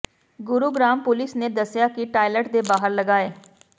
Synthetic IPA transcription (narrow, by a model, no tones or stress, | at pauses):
ɡʊɾuːɡɾaːmpʊlɪsneːd̪əsːjaːkɪʈaːɪləʈd̪eːbaːɦəɾləɡaːeː